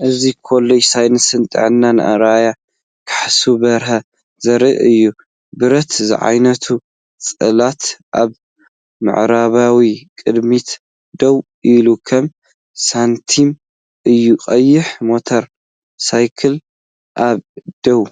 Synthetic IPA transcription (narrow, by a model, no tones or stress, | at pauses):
ʔɨzikʰolːojsajnɨsɨnt̪ʼɨ̰ʕɨnːanɨʔa̰ɾaja | kʰḁħsubɐɾhɐ | zɐɾɨ̰ʔɨjːu | bɨɾɐt̪zɨ̰ʕa̰jnɐt̪ʰu | t͡sʼɨlat̪ʔaβ | mɨ̰ʕɾaβawikʼɨd̪mit̪ | d̪̥ow | ʔilukʰɐm | sant̪ʰim | ʔɨjːuqʼɐjːɪħmot̪ʰɐɾ | sajkʰɨl | ʔaβd̪̥ɐw